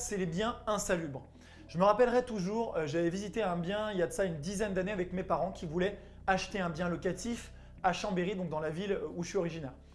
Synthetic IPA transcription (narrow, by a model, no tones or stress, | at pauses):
sɛlebjɛ̃ɛ̃salybʁ | ʒ̥əməʁapɛlʁɛt̪uʒuʁøʒavɛvizit̪eɛ̃bjɛ̃iljad̪əsaynd̪izɛnd̪aneavɛkmepaʁɑ̃kʲivulɛ | aʃt̪eɛ̃bjɛ̃lɔkat̪if | aʃɑ̃beʁid̪ɔ̃k̚d̪ɑ̃lavilufyɔʁiʒinɛːʁ